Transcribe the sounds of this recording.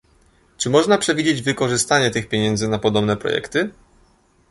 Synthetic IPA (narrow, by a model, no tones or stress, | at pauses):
t͡ʂɘmɔʐnapʂɛvʲid͡ʑed͡ʑvɘkɔʐɘst̪aɲɛt̪ɘxpʲjeɲɛnd̪zɘnapɔd̪ɔbnɛpɾɔ̰jɛ̰kt̪ɘ